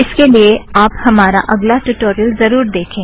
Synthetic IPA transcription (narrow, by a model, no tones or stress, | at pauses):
ɪskelieaːphɐmaːɾa̰ʔɐɡlaʈuʈoːɾijəlzɐɾuːɾd̪eːkʰẽː